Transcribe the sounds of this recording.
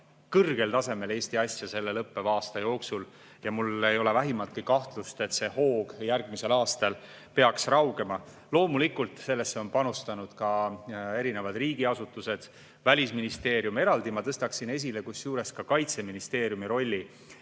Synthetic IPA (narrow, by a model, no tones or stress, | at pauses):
kɤrɡ̥e̞lt̪ɑse̞me̞le̞ːst̪iɑsʲjɑse̞lːe̞lɤpːe̞vɑːst̪ɑjo̞ːksul | jɑmule̞jo̞le̞væɦimɑt̪kikɑht̪lust̪e̞t̪se̞ho̞ːɡ̥jærɡ̥mise̞lɑːst̪ɑl | pe̞ɑksrɑwɡe̞mɑ | lo̞ːmulikːult̪ˑse̞lːesːeo̞npɑnust̪ɑnud̪̥kɑe̞ɾine̞vɑd̪riːɡiɑsut̪ːˑuse̞d̪̥ | vælʲisminist̪e̞ːɾjume̞ɾɑld̪imɑt̪ɤst̪ɑksine̞s̬ʲilekusjuːɾe̞skɑkɑjt̪se̞minist̪e̞ːɾjumiɾo̞lʲːi